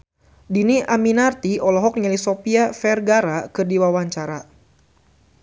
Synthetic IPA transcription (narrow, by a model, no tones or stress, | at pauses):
diniʔaminart̪iɔlɔɦɔk̚ɲalisopiafɛrɡaɾakɨrdiwawaɲt͡ʃaɾa